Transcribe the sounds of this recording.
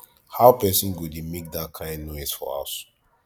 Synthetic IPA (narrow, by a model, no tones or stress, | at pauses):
haʊpɛsɔ̃nɡudemek̚dat̚kʰãɪ̃ndnɔɪz̥fɔ̰ɹa̰s